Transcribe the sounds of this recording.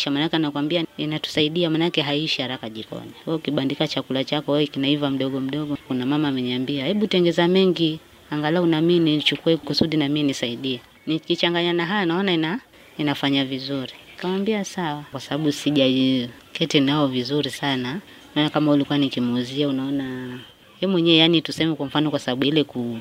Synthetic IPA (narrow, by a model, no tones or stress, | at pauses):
ʃamanakɛanakwambiainatu̥saiɗiamanakɛɦaiʃihaɾakaʄikɔ̰niwɛɔukiɓandikat͡ʃakulat͡ʃakɔwɛikinaivam̩ɗɔɠɔm̩ɗɔɠɔkunamamaːmɛɲambiahɛɓutɛŋɡɛzamɛŋɡi | aŋɡalaunaminit͡ʃukuɛkusuɗinaminisaiɗiɛ | nikit͡ʃaŋɡaɲanaɦajanaɔnaina | inafaɲavizuɾi | kamwambiasawakwasaɓaɓusiʄa | kʰɛtɛnaɔvizuɾisana | naɔnakamaulikuanikimuziaunaɔna | jɛmwɛɲɛɛjanitusɛmɛkwam̩fanɔkwasaɓaɓuilɛku